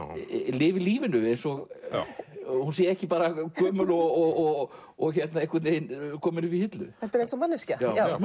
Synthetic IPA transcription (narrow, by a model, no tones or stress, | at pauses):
lɪːvɪliːvɪnʏejnsɔɣ | hunsɛɛhcɪpaːɾakʰœːmʏlɔɣɔɣɔɣ | ɔɣçɛt̪naðehkvœɾt̪neːjnkʰɔːmɪnʏvihɪt̪lʏ̰ɛlt̪ʏɾejnt̪sɔmːanːɪscajawm